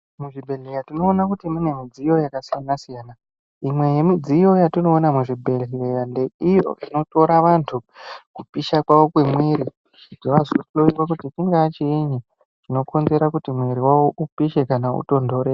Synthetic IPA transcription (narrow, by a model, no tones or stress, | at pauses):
muʐibʱe̞ɮejatino̞ːnakutimune̞mid͡zijo̞jakasijanasijaːna | imwe̞je̞mid͡zijo̞jatino̞ːnamuʐibʱe̞ɮejande̞ijo̞̰ino̞to̞ɾaʋantʰukupiʃakwaʋo̞kwe̞mweɾi | itiʋazoloirwak̬utitiŋɡaat͡ʃieɲe | ʐ̥ino̞ko̞nze̞ɾakutimweɾiwawoʔupiʃe̞kanaṵto̞ndo̞ɾe